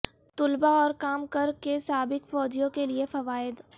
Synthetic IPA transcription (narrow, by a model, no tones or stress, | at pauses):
t̪ʊlbaɔːɾkaːmkəɾkesaːbɪkfɔːd͡ʒijõkeliefɐʋaːɪd̪